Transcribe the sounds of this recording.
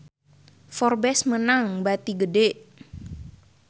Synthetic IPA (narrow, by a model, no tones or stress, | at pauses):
fɔrbɛsmənaŋbat̪iɡədɛʔ